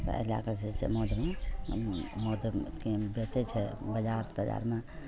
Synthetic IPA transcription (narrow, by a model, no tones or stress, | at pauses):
t̪ə̰la̰kət͡ʃʰesḛmod̪ʱme | mod̪ʱkebet͡ʃɛt͡ʃʰɛbəd͡ʒaɾt̪əd͡ʒa̰ɾme